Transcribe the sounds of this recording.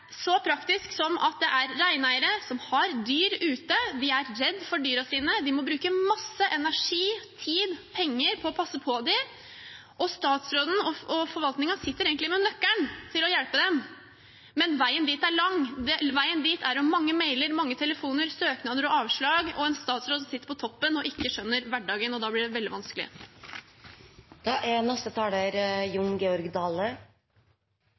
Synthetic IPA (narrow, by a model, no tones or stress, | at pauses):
sɔpʰɾɑkt̪ɪsksɔmʔɑ̰t̪̚d̪ɛʔæɾːæɪnæɪəɾəsɔmhɑɾd̪yːɾʉːt̪əd̪ɪæɾɾɛd̪ːfɔɖyːɾɑsiːnəd̪ɪmɔbɾʉːkəmɑsːəʔɛnæʂiːt̪ʰiːd̪pʰɛŋːəɾpʰɔɔpʰɑsːəpʰɔd̪ɪ | ʔɔst̪ɑːt̪sɾoːd̪n̩ɔɔfɔɾʋɑlt̪nɪŋɑsɪt̪ːəɾeːɡnɪmɛnœkːæɳt̪ʰɪlɔjɛlpəd̪ɛm | mɛnʋæɪənd̪iːt̪æɭɑŋd̪ɛʋæɪənd̪iːt̪ʰæɾɔmmːɑŋːəmeɪləɾmɑŋːət̪ʰɛləfuːnəɾsøːknɑd̪əɾɔɑːʋʂɭɑːɡɔɛnst̪ɑːt̪sɾoːd̪sɔsɪt̪ːəɾpʰɔt̪ʰɔpːənɔʔɪkːəʂœnːəɾʋæɖɑːɡənɔd̪ɑːblɪɖɛʋɛld̪ɪʋɑnskəlɪ̰ə̰ | d̪̥ɑʔæɾnɛst̪ət̪ʰɑːləɾjʊŋɡɛɔɾɡd̪ɑːlə